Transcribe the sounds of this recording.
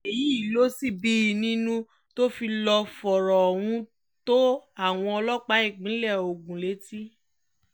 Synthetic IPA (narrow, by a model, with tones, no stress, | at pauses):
e˨ji˨˦i˦˨lo˦si˦˨bi˦˨nĩ˦nũ˦ | to˦fi˧lɔ˧fɔ˨ɾɔ˨w̃ũ˧ | to˦a˦˨w̃ɔ̃˧ɔ˧lɔ˦k͡pa˨˦i˦˨ɡ͡bĩ˨˦lɛ˦˨o˨ɡũ˨le˨˦ti˦